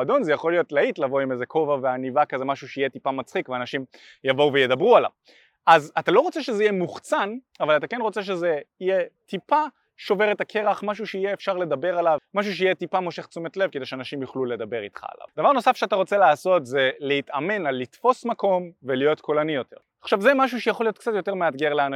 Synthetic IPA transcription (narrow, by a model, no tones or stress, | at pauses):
ado̞nzejaχo̞lijo̞tlaitlavo̞imezekʰo̞vaveanivakazemaʃuʃeijetipamat͡sχikveanaʃim | javo̞uvejed̪abʁuala̰v | azatalo̞ʁo̞t͡seʃezeijemuχt͡san | avalatake̞nʁot͡seʃ̬ezeijetipa | ʃo̞veʁet̪akʰe̞ʁaχmaʃ̬uʃeijeːfʃaʁle̞d̪abe̞ʁalavmaʃ̬uʃ̬eijɛt̪ipamoʃeχt͡sumet̪levkede̞jʃeanaʃimjuχlule̞d̪abe̞ʁit̪χa̰ːla̰vd̪avaʁno̞safʃeat̪aʁo̞t͡se̞laːso̞tze̞lehit̪ame̞nalːit̪fo̞smako̞mvelijo̞tkolanijo̞t̪ʰe̞ʁaχʃavzemaʃ̬uʃejaχo̞lijot̪kt͡sat̪jote̞ʁmead̪ɡeʁlean